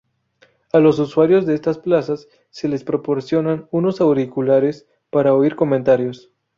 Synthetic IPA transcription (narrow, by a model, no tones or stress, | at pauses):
alo̞s̬uswaɾjo̞zðeest̪asplasasː | e̞le̞spɾo̞po̞ɾsjo̞nanuno̞sawɾikulaɾe̞s | paɾaoiɾko̞mẽnt̪aɾjo̞s